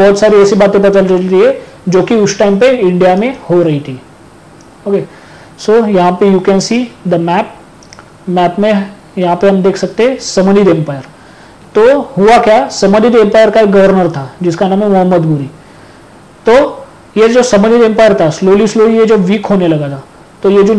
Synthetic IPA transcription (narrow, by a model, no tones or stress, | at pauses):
bɔɦːt̪saːɾiɛːsibaːt̪ẽp̬ɐt̪əld͡ʒəɾiɦe | d͡ʒoːkiʊsʈaːɪmpeɪ̃ɳɖijamẽhoɾɐɦit̪ʰiː | oːke | sojɐɦãpejuːkɛːnsiːd̪əmɛːp̚ | mɛːpmẽ | jɐɦãpeɦɐmd̪eːkʰsɐk̚t̪eɦɛ̃sɐməɾid̪ẽmpaːɪjəɾ | t̪oɦʊakjaːsɐməɾid̪ẽmpaːɪəɾkaeɡɐʋəɾnəɾt̪ʰad͡ʒɪskanãːmemʊɦəmːəd̪buɾiː | t̪o | jed͡ʒoːsɐmənid̪ẽmpaːɪəɾt̪ʰasloːlisloːlijed͡ʒoʋiːkɦoːnelɐɡat̪ʰa | t̪ojed͡ʒo